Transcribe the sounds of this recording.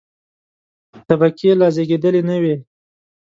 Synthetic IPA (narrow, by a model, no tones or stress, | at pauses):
t̪abakelɑzeɡed̪əlenəwe